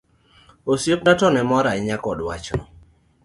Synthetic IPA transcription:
osjop̚natɔnɛmɔɾaɪɲakɔdwat͡ʃnɔ

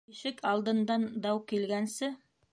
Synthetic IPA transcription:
iʃɘkʰɑlˠd̪ɤ̆nd̪ɑnd̪ɑwkilɡænsɘ

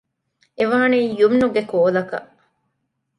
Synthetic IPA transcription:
eʋaːniːjumnuɡekoːlɐkɐ̰ʔ

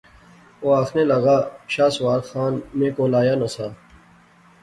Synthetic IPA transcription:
oːaːxʰnelɐɣaːɕaːswaːɾxaːnmẽːkoːlaːjaːnɐsaː

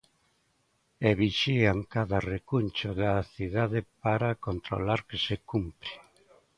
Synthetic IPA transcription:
eβiʃiaŋkaðarekunt͡ʃʊðaθiðaðɪpaɾakont̪ɾo̰laɾkesekumpɾi̥

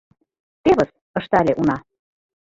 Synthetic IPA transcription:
t̪eβɤ̆s | ɤ̆ʃt̪ælʲeʔunɑ

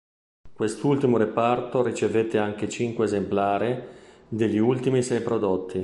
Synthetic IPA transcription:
kwest̪ult̪imoɾepart̪oɾit͡ʃevet̪ːeaŋk̟et͡ʃiŋkweːzemplaːɾi | d̪eʎːiult̪imisɛjpɾod̪ot̪ʰːi

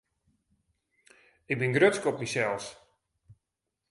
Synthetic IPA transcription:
ɪk̚bɪnɡrøtskɔpmisɛlˠs

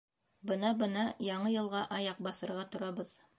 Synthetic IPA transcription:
bɤnɑbɤnɑjɑɴɤjɤ̆lˠʁɑʔɑjɑq̚bɑθɤ̆ɾʁɑt̪ŏɾɑbɤð

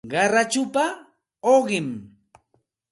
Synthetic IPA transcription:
ɢɑɾat͡ʃʊpa | oɢɪm

